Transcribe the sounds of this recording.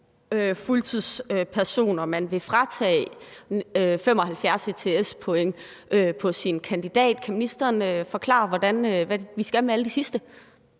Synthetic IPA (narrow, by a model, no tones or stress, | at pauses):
øfult͡sʰið̰ˠsøpʰæɐso̝̰ːnɐmænʋe̝fʁɑ̈t͡sʰɛ̰ː | øfem̰ɒ̽hælfjæɐset͡sʰe̝espʰɔ̽eŋ̰ | ʔøpʰɒ̽sinkʰænd̥id̥ɛ̰ːd̥kʰæminisd̥ɐːnøfɒ̽kʰlɑ̰̈ːɑʋɒd̥ænøʋæʋisɡ̥æmeæləd̥isisd̥ə